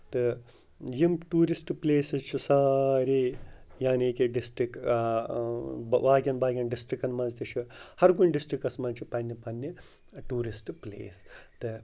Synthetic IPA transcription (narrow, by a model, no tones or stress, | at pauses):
t̪ɨ | jimʈuːɾisʈpleːsɨt͡ʃʰusaːɾeːjaːniːkiɖisʈɾik | ʋaːɡʲɐnbaːɡʲɐnɖisʈɾikɐnmɐnzt̪iʃʰuhɐɾɡunʲɖisʈɾikɐsmɐnt͡ʃʰipɐnːɐpɐnːi | ʈuːɾisʈplḛːst̪ɨ